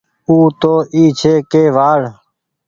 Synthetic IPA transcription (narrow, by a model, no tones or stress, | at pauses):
uːt̪oːʔiːt͡ʃʰeːkeːʋaːɽ